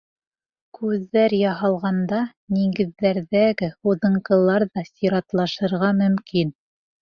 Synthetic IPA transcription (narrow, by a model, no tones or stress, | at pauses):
kʉðːæɾjɑɦɑlˠʁɑnd̪ɑ | niɡɘ̆ðːæɾðæɡɘhuðɤ̆ɴqɤ̆lˠɑɾðɑsiɾɑt̪lˠɑʃɤ̆ɾʁɑmɵ̆mkin